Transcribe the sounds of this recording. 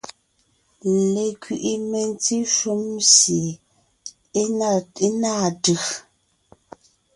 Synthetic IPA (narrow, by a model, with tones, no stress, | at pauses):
le˨kɥi˨ʔi˦me˨n˦t͡si˦ʃu˦msje˨ | e˦na˦˨ti˦na˦˨dɯ˨x